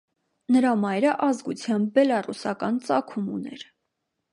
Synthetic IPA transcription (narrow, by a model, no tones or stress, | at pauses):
nəɾɑmɑjɾəʔɑzɡut͡sʰjɑm̚bɛlɑrusɑkɑnt͡sɑkʰumṵnɛ̰ɾ